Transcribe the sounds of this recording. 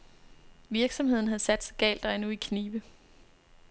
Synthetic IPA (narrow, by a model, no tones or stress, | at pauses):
ʋiɐɡ̥sɒ̽mhe̝ð̰ˠn̩ɦæð̩ˠsæd̥sɑɡ̥ɛ̰ːld̥ɑɪnuikʰniːʋə